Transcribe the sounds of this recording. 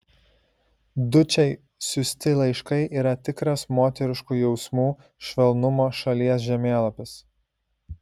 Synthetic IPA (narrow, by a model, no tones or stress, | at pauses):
d̪ʊt͡ʃʲɛɪ | sʊsʲt̪ʲɪlˠɐɪʃkɐɪʔiːɾɐt̪ʲɪkɾɐsmoːt̪ʲɛɾʲɪʃkuːjɛʊsmuː | ʃʲʋʲɛlˠnʊmoːʃɐlʲiɛs̬ʒʲɛmʲeːlˠɐpʲɪs